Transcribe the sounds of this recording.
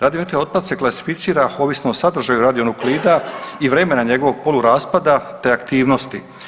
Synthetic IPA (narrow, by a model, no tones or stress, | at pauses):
ɾaːd̪ioit̪ajo̞d̪̚pat̪se̞klˠasi̥fit̪siːɾao̞ːʋisnoosad̪r̩ʒajuɾad̪io̞nukliːd̪aiʋɾe̞ːme̞naɲe̞ɡo̞ʋo̞ɡ̚po̞luɾaːspad̪at̪e̞akt̪iːʋno̞st̪i